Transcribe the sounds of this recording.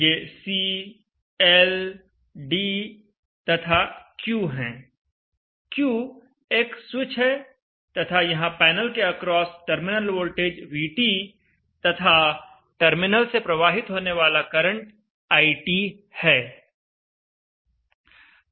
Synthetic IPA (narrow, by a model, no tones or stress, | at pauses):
jeːsi | ɛl | ɖi | t̪ɐt̪ʰakjuːɦɛ̃ː | kjũ | eːksut͡ʃʰɦɦɛ | t̪ɐt̪ʰajɐɦãpɛːnəlkeɐkɾɔːsʈəɾmɪnəlwoːlʈeːd͡ʒʋiːʈi | t̪ɐt̪ʰa | ʈəɾmɪnəlsepɾɐʋaːɦɪt̪ɦoːneʋaːlakɐɾə̃ɳʈ | aːiʈi | hɛː